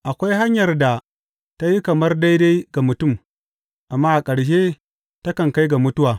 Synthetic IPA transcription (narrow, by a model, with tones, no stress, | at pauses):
ʔa˨kʷa˦jɦa˦ɲjɐ˨rda˨ | ta˦ji˦kɐ˨mɐ˦rda˦jda˦jɡa˨mʊ˨tʊ˦˨m | ʔa˨mːaː˦ʔa˨kʼɐ˨ɽʃ̬eː˦ | tɐ˦kɐ˨ŋka˦jɡa˨mʊ˦tʊ˦waː˨